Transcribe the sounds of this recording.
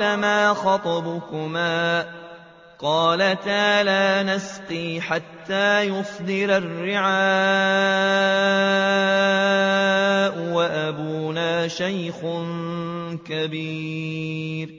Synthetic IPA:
amaːxɑt̪ˤɑbʊkʊmaː | qɑːlat̪aːlaːnasq̪iːħat̪ːaːjʊsˤd̪ɪɾarːɪʕaː | ʔʊwaʔabuːnaːʃajxn | kabiː | ɾ

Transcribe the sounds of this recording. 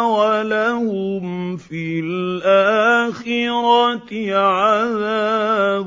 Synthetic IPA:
walahʊmfilʔaːxɪɾɑt̪ʕaðaːb

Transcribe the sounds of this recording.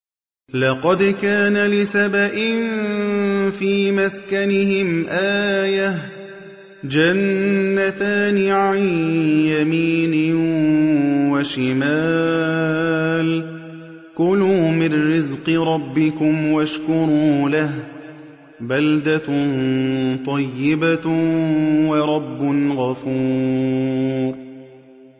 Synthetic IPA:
lɑqɑd̪kaːnalɪsabaʔɪn | fiːmaskanɪhɪmʔaːjah | d͡ʒanːat̪aːnɪʕanjamiːnɪ | waʃɪmaː | l | kʊluːmɪnːɪzqɨɾˤɑbːɪkʊmwaʃkʊɾˤuːlah | bald̪a | t̪ˤɑjːɪba | wɑɾˤɑbːʊnɣɑfuː | ɾˤ

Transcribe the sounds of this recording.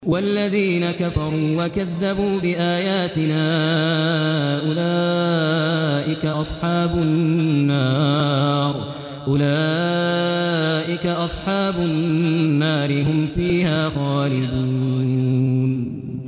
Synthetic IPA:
walːaðiːnakafɑɾˤuːwakaðːabuːbɪʔaːjaːt̪ɪnaː | ʔʊlaː | ʔɪkaʔɑsˤħɑːbʊnːɑː | ɾ | ʔʊlaː | ʔɪkaʔɑsˤħɑːbʊnnːaːɾɪɦʊmfiːhaːɣaːlɪd̪u | n

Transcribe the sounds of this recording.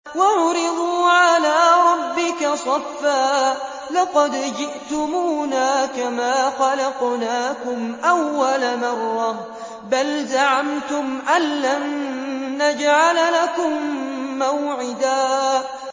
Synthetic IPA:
waʕʊɾɪd̪ˤuːʕalaːɾˤɑbːɪkasˤɑfːaː | lɑqɑd̪d͡ʒɪʔt̪ʊmuːnaːkamaːxɑlɑqnaːkʊmʔawːalamɑrˤːɑh | balzaʕamt̪ʊmʔanːanː | ad͡ʒʕallakʊmːawʕɪd̪aː

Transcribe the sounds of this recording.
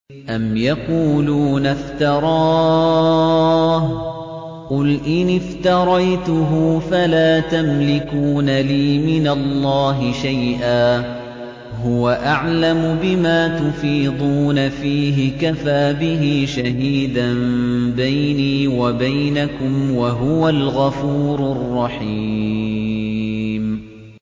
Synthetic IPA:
ʔamjɑquːluːnaft̪ɑɾˤɑː | h | qʊlʔɪnɪft̪ɑɾˤɑjt̪ʊɦʊːfalaːt̪amlɪkuːnaliːmɪnalˤːɑːɦɪʃajʔaː | ɦʊwaʔaʕlamʊbɪmaːt̪ʊfiːd̪ˤuːnafiːɦɪkafaːbɪɦiːʃaɦiːd̪anbajniːwabajnakʊmwaɦʊwalɣɑfuːɾʊrˤːɑħiiː | m

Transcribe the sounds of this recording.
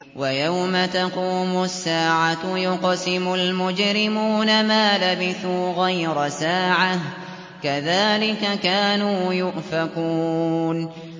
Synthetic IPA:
wajawmat̪ɑquːmʊsːaːʕajʊqɑsɪmʊlmʊd͡ʒɾɪmuːnamaːlabɪθuːɣajɾasaːʕah | kaðaːlɪkakaːnuːjʊʔfakuːn

